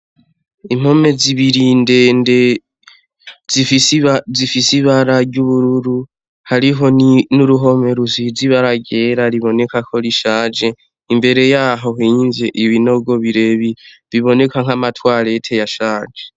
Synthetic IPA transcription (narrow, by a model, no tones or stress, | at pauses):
im̥ho̞me̞ziβiɾindende | ziizifisiβaɾaɟuβuɾuɾu | haɾiɦo̞ninuɾuɦo̞me̞ɾuziziβaɾaɡe̞ːɾaɾiβo̞ne̞kakʰo̞ɾiʃaːd͡ʒe | imbe̞ɾe̞jaːɦo̞ɦiːnzeʔiβino̞ɡo̞βiɾe̞βi | βiβo̞ne̞kʰaŋ̥amatwaːɾe̞tʰe̞jaʃaːd͡ʒe